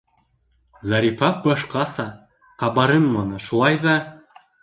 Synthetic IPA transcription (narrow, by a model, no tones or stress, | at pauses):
zɑɾʲifɑbɑʃqɑsɑ | qɑβɑɾɤnmɑnɤʃulˠɑjðɑ